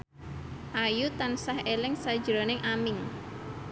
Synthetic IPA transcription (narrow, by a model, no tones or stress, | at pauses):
ʔajut̪ansahelɪŋsad̥ʒ̥ɾonɪŋʔamɪŋ